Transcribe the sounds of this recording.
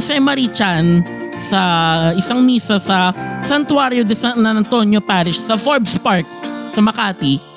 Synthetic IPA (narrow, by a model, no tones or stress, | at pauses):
sɛmɐɾit͡ʃan | sɐʔɪsaŋmiːsɐsɐsɐnt̪waːɾjod̪ɛsanɐnɐnt̪onjopaːɾɪʃsɐfoɹbspaɹk̚sɐmɐkaːt̪i